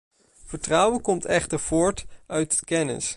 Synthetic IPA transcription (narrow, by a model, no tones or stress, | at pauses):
v̥əɹtrɑwəkɔmtɛχtəɹv̥ʊːɹtœɥtkɛnɪ̰s